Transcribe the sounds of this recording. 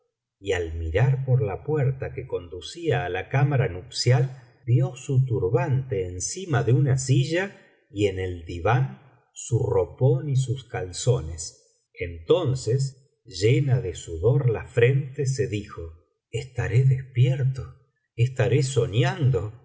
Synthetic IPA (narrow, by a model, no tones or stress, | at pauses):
ialmiɾaɾpoɾlapweɾt̪akeko̞nd̪usiaːlakamaɾanupsjal | bjo̞sut̪uɾβant̪eːnsimaðeunasiʒa | ie̞ne̞ld̪iβan | suroponis̬uskalso̞ne̞s | ent̪o̞nses̬ | ʒenaðesuðo̞ɾlafɾent̪es̬e̞ðixo̞ | est̪aɾeðespjeɾt̪o | est̪aɾeso̞njand̪o̞